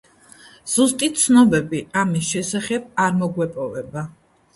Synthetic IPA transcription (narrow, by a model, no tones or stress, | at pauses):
z̥ust̪ʼit̪t̪sʰnɔbɛbiamisʃɛsaχɛb̚aɾmɔɡwɛpʼɔvɛba